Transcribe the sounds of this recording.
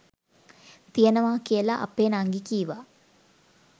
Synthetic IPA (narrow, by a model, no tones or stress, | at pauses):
t̪ijənəʋaːkijəlaʔa̰peːnaŋɡikiːʋa